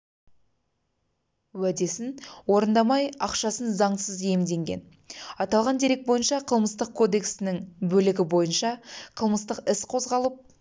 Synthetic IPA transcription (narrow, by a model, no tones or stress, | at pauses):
wæd̪e̞sɪnwo̞ɾənd̪ɑmɑjɑqʃɑsənzɑɴsəzje̞md̪e̞ŋɡʲe̞̰n | ɑt̪ɑlˠʁɑnd̪e̞ɾe̞k̚bo̞jənʃɑqʰəlˠməst̪əq̚kʰo̞d̪e̞ksɪnɪŋbɵlɪɡʲɪbo̞jənʃɑqʰəlˠməst̪əqɪsqʰo̞zʁɑlˠəp̚